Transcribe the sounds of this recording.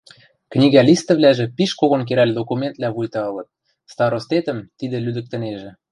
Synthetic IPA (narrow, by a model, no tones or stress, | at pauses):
knʲiɣælʲist̪ə̆vlæʒĕpiʃkoɣonk̬eɾælʲd̪okumʲent̪̚læβujt̪ɑɤlɤ̆t̪̚ | st̪ɑɾost̪et̪ə̆mt̪id̪ĕlyd̪ə̆k̚t̪ə̆neʒĕ